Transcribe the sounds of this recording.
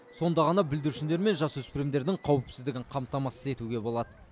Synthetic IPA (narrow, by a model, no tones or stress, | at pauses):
so̞nd̪ɑʁɑnɑbɪld̪ɪɾuʃɪnd̪e̞ɾme̞nʒɑswɵspɪɾemd̪e̞ɾd̪ɪŋqʰɑwɪpsɪzd̪ɪɡʲɪɴqʰɑmt̪ɑmɑsəze̞t̪uɡʲe̞bo̞lˠɑd̪ə